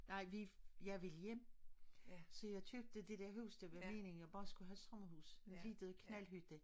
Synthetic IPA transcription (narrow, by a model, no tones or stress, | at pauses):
nɑ̈ɪ̰ʋijɑ̈ɪʋeljem̰ | sɒ̽jɑ̈ɪt͡sʰøb̥̚d̥əd̥e̝d̥æɐɦuʊsd̥əʋæme̝̰ːne̝ŋjɑɪb̥ɑ̈ːsɡ̥uɦæsɒmɐhuːsenliːd̥əð̩ˠkʰnælɦyd̥e